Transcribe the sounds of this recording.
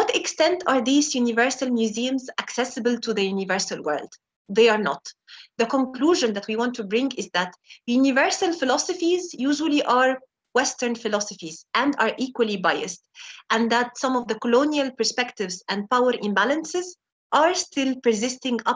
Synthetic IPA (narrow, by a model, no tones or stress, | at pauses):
wɔtɪkstɛ̃ntaːɹðiːzjunɪvɜɹsalmjuziə̃mzæksɛsəbəltʰuðəjunɪvɜɹsalwɜ̰˞ld̪̥ | ðeɑɹnɔ̰t̪ðəkɔ̃nkluːʒə̃nðæt̪wiːwɑ̃ntʰːubɹɪ̃ŋɡɪzðæt̪junɪvɜɹsalfɪlɔsɔfizjuːʒwəliʔaɹ | wɛstəɹnfɪlɔsɔfizʔæ̃ndɑːɹʔiːkwəlˠibajə̰stʔæ̃nðætsʌ̃mɔvðəkɔlõnialˠpəɹspɛktɪvzæ̃nd̚pawəɹʔɪ̃mbælə̃nsɪz | ʔaɹstɪlpəzɪstɪ̃ŋɡʌ